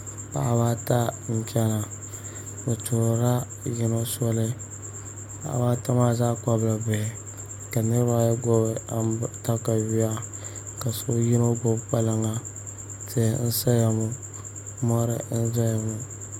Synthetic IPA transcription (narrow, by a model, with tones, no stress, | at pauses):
pa̰˦ʔa˨baː˦ta˦n̩˦t͡ʃɛ˦na˨ | o˨to˨ɾa˦ | ji˦no˦sɔ˦lɨ˦ | pa̰˦˨a̰˨baː˦ta˦ma˦zaː˦ka˦bla˨bɛ˨ | ka˨nɨ˦ɾba˦ja˦ɡo˦ta˦ka˨wi˦a˦ | ka˨so˦jɪ˦no˦ɡo˦pa˦la˦ŋa˦ | te˦˨˦n̩˦sa˦ja˨mu˨ | mɔ˦ɾɪ̰˦n̩˦za˦ja˨mu˨